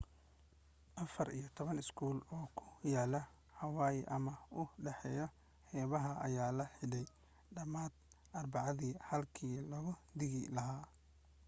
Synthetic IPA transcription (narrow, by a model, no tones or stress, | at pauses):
ʔɐfɐrḭjɞt̪ʰɔβɐnɪskʰuːlɔːkʰʊjaːlɐ | hɐwaːjʔɐmɐʊɖɛħɛːjɔ | hɛːβɐɦɐʔɐjaːlɐħɪɽɛj | ɖɐmaːd̪̚ | ʔɐrbɑʕɑðiːhɐlkʰiːlɐɣʊd̪ɪɣɪlɐɦaː